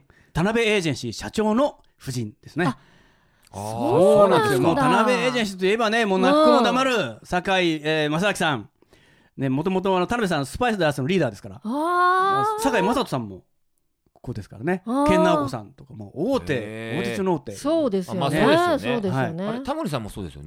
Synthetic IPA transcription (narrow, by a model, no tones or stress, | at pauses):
t̪anabe̞eːʑẽ̞ɰ̃ɕiɕat͡ɕo̞ːno̞ | ɸɯ̟ʑĩnd̪̥e̞sɨne | soːnnãnesejommo̞ːt̪anabe̞eːʑẽɕ̬i̥t̪oie̞bane̞moːnakikonod̪amaɾɯ̟sakaieːmas̬aakʲi̥sãŋ | ne̞mo̞t̪̬o̞mo̞t̪̬oanot̪anabes̬ãnːosɨ̥paisɨd̪aɾasɨnoɾʲiːd̪aːd̪e̞sɨ̥kaɾa̰ | sakaimasat̪osãmːo̞ | koːd̪e̞sɨ̥kaɾane̞kẽ̞nːaokosã̰nt̪o̞̥kamo̰ːoːt̪e̞ːoːt̪et͡ɕonoo̞ːt̪e̞ːsoːd̪esj̪esoːd̪ehaint̪amoɾis̬ãmːo̰soːdesɨjo̰n